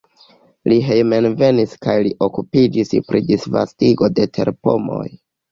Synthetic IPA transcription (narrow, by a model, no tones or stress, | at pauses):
liɦejmenve̞niskajliʔo̞kupid͡ʒispɾidisva̰stiɡo̞de̞tʰe̞̰ɾpo̞̰mo̞̰j